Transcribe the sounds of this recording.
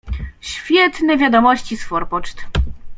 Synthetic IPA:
ɕfʲjɛt̪nɛvʲjad̪ɔmɔɕt͡ɕisfɔɾpɔt͡ʂt̪

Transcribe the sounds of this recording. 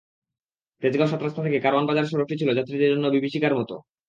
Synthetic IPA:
t̪ed͡ʑɡaoʃat̪ːɾast̪ʰat̪ʰekekaɾoanbad͡ʑaɾeʃ̬ɔɾok̚ʈit͡ɕʰilod͡ʑat̪ːɾid̪eɾd͡ʑonːobibiʃikaɾmɔt̪o̰

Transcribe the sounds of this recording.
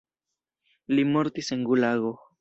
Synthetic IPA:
limoɾt̪iseŋɡulaɣo

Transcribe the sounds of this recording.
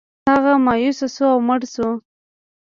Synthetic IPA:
aɣamɑjusasuawməɽsu

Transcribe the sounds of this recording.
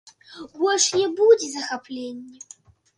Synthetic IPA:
ɣɔʂjɛbud͡zʲizɐxapʰlʲenʲːɛ

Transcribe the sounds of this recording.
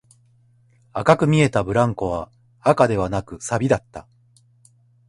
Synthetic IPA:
akakɯ̟mʲie̞t̪abɯ̟ɾãŋko̞βaː | kad̪e̞β̞anakɯ̟sabʲid̪at̪ːa̰

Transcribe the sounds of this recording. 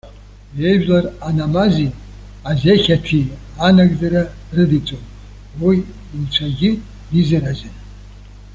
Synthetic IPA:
jeʒᶣlaranamazi | azeχʲatʰi | anaɡd͡zaɾa | rɨdit͡sʼon | wij | imt͡ʃʷʰaɡʲɪ | dizaɾazɪn

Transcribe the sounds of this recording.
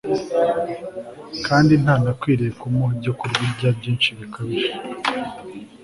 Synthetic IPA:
kaːndin̥haːnakwiːɾekumoɟokuɾɡiɟabɟiːnʃiβikʰaβiʒe

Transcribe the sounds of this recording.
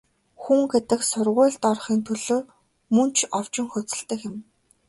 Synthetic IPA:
xuŋɡet̪ɘ̆ksʊrʁʊːɮt̪ɔrχiːnt̪ʰɵɮoː | mɵnt͡ɕʰɔw̥t͡ɕɪ̆ŋxɵt͡sɘ̆ɮt̪ɘ̆kɪ̆m

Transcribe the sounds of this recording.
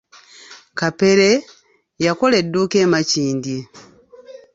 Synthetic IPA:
kape̞ɾe̞ | jako̞le̞dːuːke̞ːmaciːndi

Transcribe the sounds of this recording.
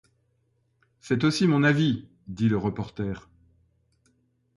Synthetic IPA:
sɛt̪osimɔ̃navi | d̪iləʁəpɔʁt̪ɛːʁ

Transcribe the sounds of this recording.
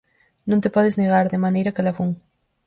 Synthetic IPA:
nõnt̪epɔðezneɣ̞aɾðemanejɾɐkelafuŋ

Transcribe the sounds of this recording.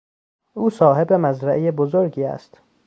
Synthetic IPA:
uːsɒːɦe̞bemæzɾæʔejebozoɾɡiːæ̰st̪

